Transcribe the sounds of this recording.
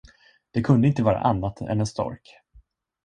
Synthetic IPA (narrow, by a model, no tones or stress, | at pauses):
d̪̥ɛkʰɵnd̪əɪnt̪əvɑːɾa̰ʔanːat̪ɛ̰nɛnst̪ɔ̰ɾk